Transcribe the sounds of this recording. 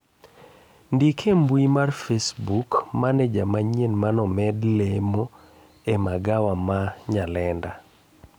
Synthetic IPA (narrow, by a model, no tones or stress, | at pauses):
ndikʰembwimarfesbukmanɛd͡ʒamaɲenmanɔmɛdlemo | emaɡawamaɲalɛnda